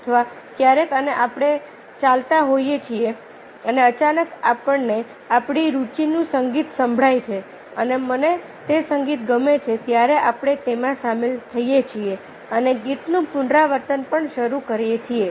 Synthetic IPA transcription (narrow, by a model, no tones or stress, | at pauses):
ət̪ʰəʋa | kjaɾekəneʔapɽ̃e | t͡ʃalt̪aɦojet͡ʃʰie | əneət͡ʃanəkapəɳne | apɽ̃iɾut͡ʃinũsəŋɡit̪səmbʱɽajt͡ʃʰe | əneməne | t̪esəŋɡit̪ɡəmet͡ʃʰet̪jaɾeʔapɽ̃et̪emãsamelt̪ʰəijet͡ʃʰie | əneɡit̪nũpʊɳɖɾaʋəɾt̪ənpəɳʃəɾukəɾjet͡ʃʰie